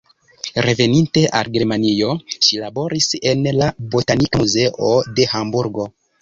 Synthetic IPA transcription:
ɾe̞ve̞ninte̞ʔa̰lɡe̞ɾmanio̞ʃilabo̞ɾise̞nlabo̞tanikamuze̞ʔode̞hambuɾɡo̞

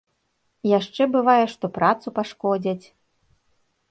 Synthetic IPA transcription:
jaʂt͡ʂɛbɨvajɛʂt̪ɔpɾat̪supaʂkɔd͡zʲɐt͡sʲ

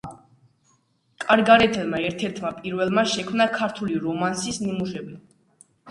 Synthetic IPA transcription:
kʼaɾɡaɾɛt̪ʰɛlˠmaɛɾt̪ʰɛɾt̪ʰmapʼiɾvɛlˠmaʃɛkʰmnakʰaɾt̪ʰuliɾɔmansisnimuʃɛbi

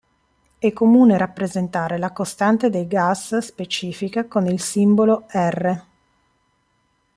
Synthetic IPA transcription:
ɛkːomuːneɾapːɾezent̪aːɾelakost̪ant̪ed̪ejɡasspet͡ʃiːfikakonilsimboloɛrːe

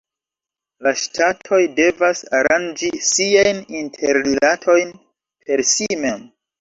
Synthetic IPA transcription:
laʃtʰatʰo̞jde̞vasaɾand͡ʒisiajnintʰeɾlilatʰo̞jn | pʰe̞ɾsime̞m

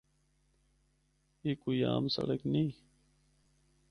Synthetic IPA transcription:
iːkuiaːmsə̰ɽəknĩː

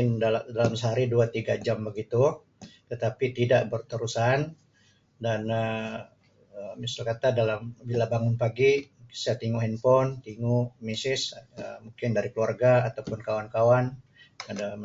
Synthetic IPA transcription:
ɪndadalamsəɦaɾiduat̪iɡad͡ʒambəɡit̪u | t̪ət̪apit̪idaʔbərt̪əɾusan | danə | əmisalkat̪adalambilabaŋʊnpaɡimukɪnsat̪iŋuɦɛnpɔnt̪iŋumisɪsəmuŋkɪndaɾikluarɡaːt̪awpʊnkawankawan | ada

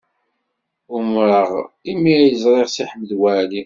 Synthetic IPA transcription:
ʊmɾəʁimːijəzˤɾˤeʁsiħəmːəðwæli

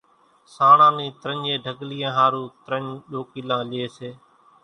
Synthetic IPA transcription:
saːɳãːniːt̪ɾəɲeːɖʱəɡliːãːɦaːɾuːt̪ɾəɲɗoːkiːlãːleːseː

